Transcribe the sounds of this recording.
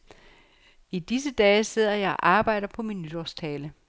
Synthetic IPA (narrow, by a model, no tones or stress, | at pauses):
id̥is̬əd̥ɛːse̝ð̞̰ˠɐjɑ̈ɪʔɑ̈ːb̥ɑ̈ɪ̰ɾ̥ɐpʰɒ̽minːyd̥ɒst͡sʰɛːlə